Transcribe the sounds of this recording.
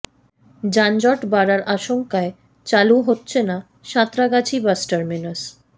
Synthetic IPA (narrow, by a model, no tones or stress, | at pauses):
d͡ʑand͡ʑɔʈbaɾaɾʔaʃoŋkae | t͡ɕaluɦotːɕʰena | ʃat̪ːɾaɡat͡ɕʰibasʈaɾminas